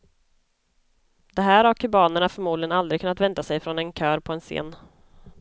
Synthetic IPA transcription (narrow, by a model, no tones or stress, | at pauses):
d̪̥ɛɦæːɾhaɾkʰɵbɑːnəɳafœɾmuːd̪lɪɡənald̪ɾɪɡʰkʰɵnːat̪vɛnt̪asɛjfɾɔnɛnkʰœːɾpʰɔɛnsḛːn